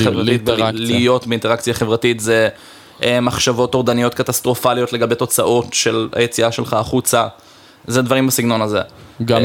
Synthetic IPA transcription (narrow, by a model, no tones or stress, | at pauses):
evʁait̪̚blijo̞tbeinteakt͡sjaχe̞vʁatitze | maχʃavo̞to̞ʁd̪anijo̞t̪katast̪ʁo̞falijo̞tleɡabejt̪o̞t͡saʔo̞tʃe̞lha̰jet͡siaʃe̞lχaːχut͡sa | zed̪vaʁimbasiɡno̞nazḛɡa